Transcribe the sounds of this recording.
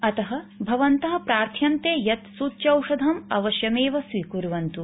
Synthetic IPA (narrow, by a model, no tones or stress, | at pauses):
ɐt̪ɐɦɐ̆bʱɐʋɐnt̪ɐɦɐ̆pɾaːɾt̪ʰjɐnt̪eːjɐt̪suːtːt͡ʃɐwʂɐd̪ʱɐmɐ̰ʋɐʃjɐmeːʋɐsʋikuɾʋɐnt̪u